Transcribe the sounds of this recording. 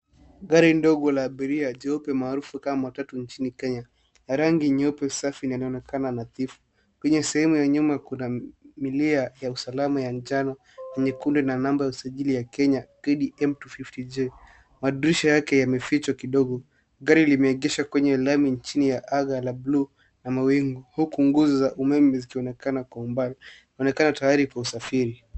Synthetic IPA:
ɡaɾindɔɠɔlaːɓiɾiaʄɔɔpɛmaːɾufukammawatatuɲt͡ʃinikɛɲa | naɾaŋɡiɲɔpɛsafinialiɔnɛkʰananaθifu̥ | kwɛɲɛsɛhɛmujaɲumakunamiliajausalamajaɲd͡ʒanɔ | kɛɲɛkundinanambɔjausaʄilijakɛɲakiɗiʔɛmtufiftid͡ʒe | maɗuɾiʃajakɛjamɛfit͡ʃakiɗɔɠɔ | ɠaɾilimɛɛɠɛʃakwɛɲɛlamiɲt͡ʃinijaʔaɠalablu | namawiŋɡuhukuŋɡuzɔzaʔumɛmɛzikiɔnɛkanakwaumbalnɔnɛkanatajaɾikwausafiɾi

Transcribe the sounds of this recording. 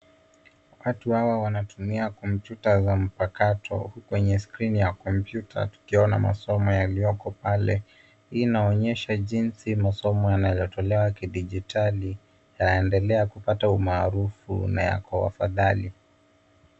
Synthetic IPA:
watuhawawanatumiakɔmpjutazam̩pakatʰɔ̰hukwɛɲɛskɾinijakɔmpjutʰa̰tu̥kiɔna̰ma̰sɔmɔjalijɔkɔpalɛ | inaɔɲɛʃaʄinsimasɔmɔjanajɔtɔlɛwakiɗiʄitʰali | janɛndɛlɛakupataumaːɾufṵna̰ja̰kɔwa̰fa̰ðali

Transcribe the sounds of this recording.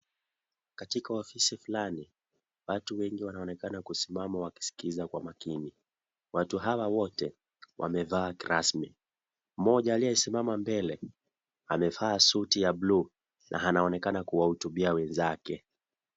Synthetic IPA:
katikaɔfisifulani | watuwɛŋɡiwanaɔnɛkanakusimamawaki̥si̥kizakwa̰makini | watuɦawawɔtɛ | wʔa̰mɛvaːkiɾasmi | m̩mɔʄaːlijɛisimamambɛlɛ | amɛfaːsutijablu | nʔa̰ɦanaɔnɛkanakuwahutuɓiawɛnzakɛ

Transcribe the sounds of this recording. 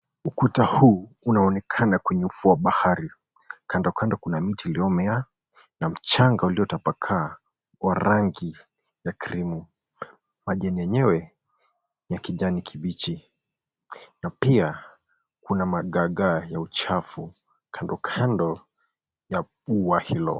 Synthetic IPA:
ukutahuːunaɔnɛkʰanakɛɲɛufuwaɓahaɾi | kʰandɔkʰandɔkunamitiliɔmɛa | nam̩t͡ʃaŋɡauliɔtapakʰaː | waɾaŋɡi | jakiɾimu | maʄɛniɛɲɛwɛ | jakiʄanikʰiɓit͡ʃi | napia | kunamaɠaɠajaut͡ʃafu | kʰandɔkʰandɔ | jaɓuwahilɔ̰

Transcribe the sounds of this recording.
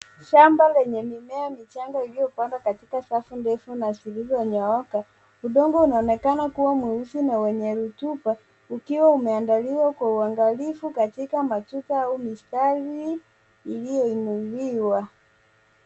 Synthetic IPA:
ʃambalɛɲɛmimɛamit͡ʃaŋɡailijɔpandakatikasafundɛfunasilizɔɲaɔka | uɗɔŋɡɔunaɔnɛkanakuwamwɛusinawɛɲɛɾutupa | ukiwaumɛandaliwakwauaŋɡalifukatikamatutaaumistaliː | lijɔinuliwa

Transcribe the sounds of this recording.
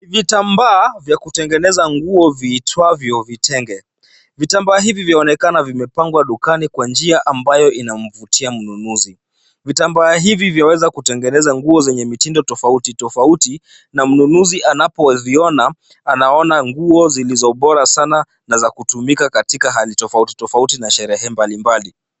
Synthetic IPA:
vitambaːvjakutɛŋɡɛnɛzaŋɡuɔviːtʰwavjɔvitɛŋɡɛ | vitambaːɦivivjaɔnɛkanavimɛpaŋɡwaɗukanikwand͡ʒiaʔambajɔʔinam̩vutʰiam̩nunuzi | vitambaːɦivivjawɛzakutɛŋɡɛnɛzaŋɡuɔzɛɲɛmitindɔtɔfautitɔfauti | nam̩nunuziʔanapɔviɔnaː | naɔnaŋɡuɔzilizɔɓɔɾasana | nazakutumikakatikaɦalitɔfauti̥tɔfautinaʃɛɾɛɦɛmbalimbali

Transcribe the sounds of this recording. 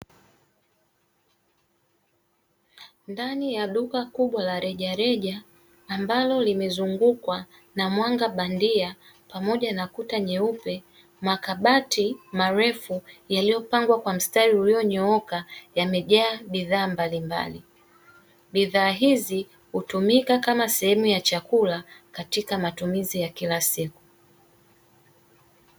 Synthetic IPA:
ndanijaɗukakuɓwalaɾɛʄaɾɛʄaː | mbalɔlimɛzuŋɡukwa | namwaŋɡaɓandia | pamɔʄanakutaɲɛupɛ | makaɓatimaɾɛfujalijɔpaŋɡwakwam̩staɾiulijɔɲɔɔkajamɛʄaːɓiðaːmbalimba̰li | ɓiðaːɦizi | hutumikakamasɛhɛmujat͡ʃakulakatikamatumizijakilasiku̥

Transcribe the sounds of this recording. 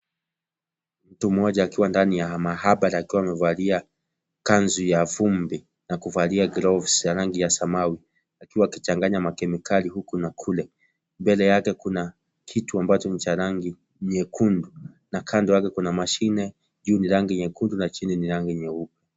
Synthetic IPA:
m̩tum̩ɔʄaːkiwandanijamahaɓaɾaːkiwaːmɛvalia | kanzujavumbi | nakuvaliaɡɾɔvsjaɾaŋɡijasamawi | akiwaːkit͡ʃaŋɡaɲamakɛmikaliɦukunakʰulɛ | mbɛlɛjakɛkuna | kʰituambat͡ʃɔnit͡ʃaɾaŋɡi | ɲɛkʰundu | nakʰandɔjakɛkunamaʃinɛ | ʄuːniɾaŋɡiɲɛkundunat͡ʃininiɾaŋɡiɲɛupɛ

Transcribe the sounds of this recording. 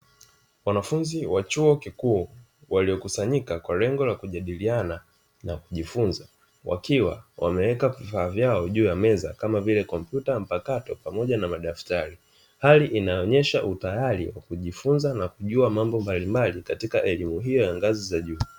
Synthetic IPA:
wanafunziwat͡ʃuɔkikuɔ | waliɔkusaɲikakwalɛŋɡɔlakuʄaɗiliana | nakuʄifunza | wa̰kiwa̰wa̰mɛwɛkavifaːvjaɔʄuːjamɛza̰kamavilɛkɔmpjutam̩pakatɔpamɔʄanamaɗaftaɾi | haliʔinaɔɲɛʃaʔutajalḭwa̰kuʄifunzanakuʄuamambɔmbalimbalikatikaʔɛlimuɦijɔjaŋɡazizaʄuː

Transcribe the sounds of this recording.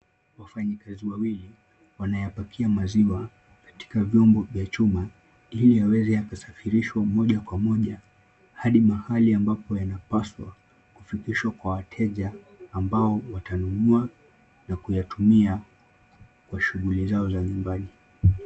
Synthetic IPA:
wafaɲikaziwawili | wanajapakʰiamaziwa | kḁti̥kavjɔmbɔvjat͡ʃuma | iliawɛzɛakasafiɾiʃwamɔʄakwamɔʄa | haɗimahaliambapɔjanapaswa̰ | kufikiʃwakwawatʰɛʄaː | mbaɔwatanunua | nakujatumia | kwaʃuɠulizaɔzaɲumbani

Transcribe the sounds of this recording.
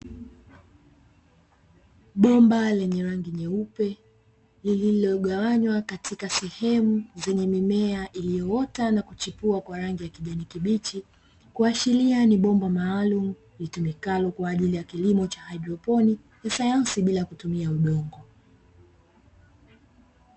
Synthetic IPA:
ɓɔmbalɛɲɛɾaŋɡiɲɛupɛ | lililɔɠawaɲwakatʰikasɛhɛmuzɛɲɛmimɛaʔilijɔɔtanakut͡ʃipuakwaɾaŋɡijakiʄanikiɓit͡ʃi | kuaʃilianiɓɔmbamaːlumu | litumikalɔkwaːʄilijakilimɔt͡ʃahaɗɔpɔni | jasajansiɓilakutumiauɗɔŋɡɔ

